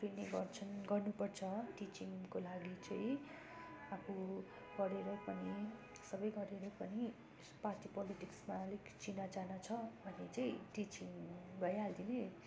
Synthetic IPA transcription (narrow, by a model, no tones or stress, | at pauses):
pʰineɡʌrt͡sʰʌnɡʌrnupʌrt͡sʰʌʈit͡siŋkolaɡit͡sʌĩ | akʰu | ɡ̥ʌɾeɾʌpʌni | sʌbʌjɡʌɾeɾʌpʌni | parʈipʌliʈiksmalekt͡sinad͡zanʌt͡sʰʌbʱʌnet͡sʌĩʈit͡siŋbʱʌjɦald̪ine